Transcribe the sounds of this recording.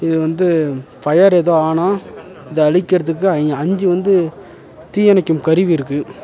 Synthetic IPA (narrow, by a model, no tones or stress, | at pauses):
ɪðɯʋɐnd̪ɯfɐjɐɾɛðoːaːnaː | ɪðɯɐɻɪkːɪɾɐðɯk̬ːɯɐɲd͡ʒɯʋɐnd̪ɯ | t̪iːjɐnɐkːɯmkɐɾɪʋiɪɾɯkːɯ